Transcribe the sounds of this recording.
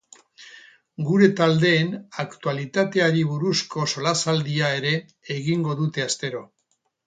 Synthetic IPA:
ɡuɾe̞t̪ald̪e̞ːnakt̪ualit̪at̪e̞aɾiβuɾusko̞so̞lasald̪iae̞ɾe̞ː | ɣiŋɡo̞ðut̪e̞ast̪e̞ɾo̞

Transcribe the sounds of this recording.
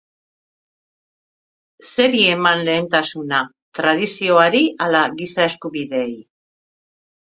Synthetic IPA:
se̞ɾie̞manle̞ːnt̪asuna | t̪ɾað̞isio̞aɾialaɣisae̞skuβiðe̞ːj

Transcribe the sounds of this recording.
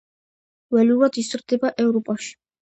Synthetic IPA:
wɛlulad̪isɾd̪ɛbaʔɛvɾɔpʼaʃi̥

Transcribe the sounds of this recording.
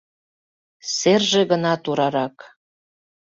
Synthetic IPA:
serʒĕɣənɑt̪uɾɑɾɑk

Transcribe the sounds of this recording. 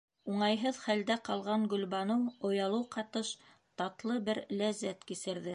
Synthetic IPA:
uɴɑjɦɤðχæld̪æqɑlˠʁɑɴɡɵ̆lβɑnɤwŏjɑlˠɤwqɑt̪ɤʃ | t̪ɑt̪lˠɤbɘɾlæzːæt̪kisɘ̆ɾðɘ

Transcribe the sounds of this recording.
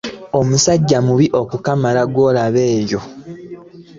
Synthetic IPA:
o̞musaɟːamuβiʔo̞kukamalaɡwo̞ːlaβe̞ːjo̞

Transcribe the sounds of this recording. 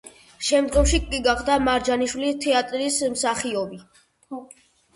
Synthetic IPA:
ʃɛmd̪ɡɔmʃikʼiɡaχd̪amaɾd͡ʒaniʃwilit̪ʰɛat̪ʼɾismsaχiɔbi

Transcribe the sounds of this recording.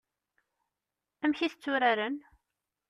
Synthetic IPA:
æmçiθət͡sːʊɾaɾən

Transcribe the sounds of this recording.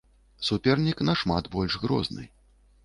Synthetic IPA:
supʲɛrnʲiknɐʂmad̪bɔlʲʂɣɾɔ̰znɨ̰

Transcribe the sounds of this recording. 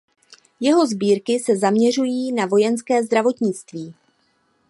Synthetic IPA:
jɛɦo̞zbiːɾkɪsɛzamɲɛr̝ujiːnavo̞jɛnskɛːzd̪ɾavo̞t̪ɲɪt͡st̪viː

